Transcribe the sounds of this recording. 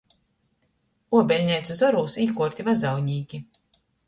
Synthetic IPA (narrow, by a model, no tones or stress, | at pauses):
uɔbʲɛlʲɲʲɛjt̪suzɔɾuːsiːkuɔɾt̪ʲivazawɲiːɡʲi